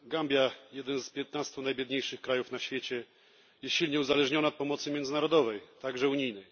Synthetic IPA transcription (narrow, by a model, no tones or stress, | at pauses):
ɡambʲjajɛd̪ɛnspʲjɛt̪nast̪unajbʲjɛd̪ɲejʂɘxkɾajufnaɕfʲjɛt͡ɕɛ | jɛsɕilɲɛuzalɛʐɲɔnaɔt̪̚pɔmɔt̪sɘmʲjɛnd̪zɘnaɾɔd̪ɔvɛjt̪aɡʐɛuɲijnɛj